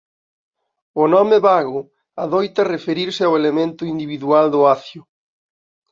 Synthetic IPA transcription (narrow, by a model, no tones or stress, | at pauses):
ʊnɔmeβaɣʊ | aðojt̪ɐrefeɾiɾsɪawelemẽnt̪ʊind̪iβiðuald̪ʊaθjʊ